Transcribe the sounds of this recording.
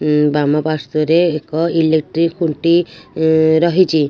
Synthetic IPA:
bamapast̪ɔɾeːkɔilek̚ʈɾikʰːuɳʈi | ɾɔɦit͡ʃʰi

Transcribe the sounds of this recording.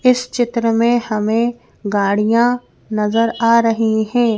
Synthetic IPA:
ɪst͡ʃɪt̪ɾəmẽhɐmẽ | ɡaːɽijã | nɐzəɾaːɾɐɦiɦɛ̃ː

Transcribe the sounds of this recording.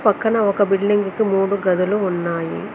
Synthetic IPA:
pɐkːɐnɐʋɔkːɐbɪlːɪŋɡɯkːɯmuːɽuɡɐðɐlɯɔnːaːjḭ

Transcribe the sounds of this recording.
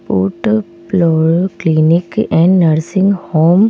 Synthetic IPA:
po̰ːʈ | ploɾoklinɪkɛ̃ɳɖnəɾsɪ̃ŋɡhoːm

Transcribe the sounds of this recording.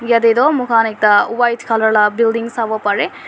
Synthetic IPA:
jɐd̪ed̪omukʰaːnek̚t̪ɐuʋɐjt̪ʰkʰɐlɐɭɐbilɖiŋɡsɐʋopɐɾe

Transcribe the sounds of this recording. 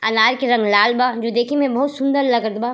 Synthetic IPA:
ɐnaːɾkeɾɐ̃ŋɡlaːlbad͡ʒoːd̪eːkʰimẽbɐɦut̪sʊ̃nd̪əɾlɐɡəɾt̪baː

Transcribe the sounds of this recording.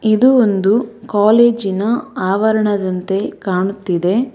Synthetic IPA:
id̪uond̪ukaːleːd͡ʒinɐaːʋɐɾɐɳɐd̪ɐnt̪e̞kaːɳut̪ːid̪e̞

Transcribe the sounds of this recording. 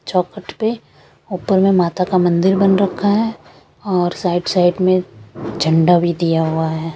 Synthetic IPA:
t͡ʃɔːkəʈpe | oːpəɾmẽmaːt̪akamɐ̃nd̪ɪɾbɐ̃nɾɐkʰaɦɛː | ɔːɾsaːɪɖsaɪɖmẽd͡ʒʱɐ̃ɳɖabʱid̪ijaɦuaɦɛː

